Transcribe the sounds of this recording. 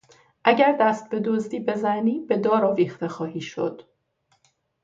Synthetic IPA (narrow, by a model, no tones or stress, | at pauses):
ʔæɟæɾd̪æst̪̚be̞d̪ozd̪iːbe̞zæniːb̥e̞d̪ɒːɾɒːviːxt̪e̞xɒːhiːʃo̞̰d̪̥